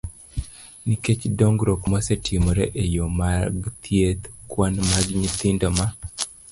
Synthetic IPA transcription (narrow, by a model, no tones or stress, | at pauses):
niket͡ʃdoŋɡɾokmosetʰjemoɾeʔejomaɡt̪ʰjet̪kwanmaɡɲit̪ɪndɔma